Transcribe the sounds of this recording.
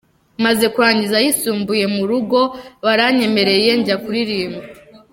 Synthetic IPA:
maze̞kuɾaːɲɟizajisuːmbuje̞muɾuɡo̞βaɾaɲe̞me̞ɾe̞je̞ɲɟakuɾiɾiːma

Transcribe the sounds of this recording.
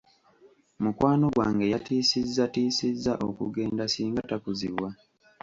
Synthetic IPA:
mukwaːno̞ɡwa̰ːŋɡe̞jatiːsizːatiːsizːaʔo̰kṵɡe̞ːndasiːŋɡatakuziβwa

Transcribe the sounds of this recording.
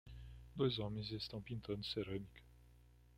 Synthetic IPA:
d̪o̞jzwamenʲzest̪awpint̪ʰənd̪seɾəmik

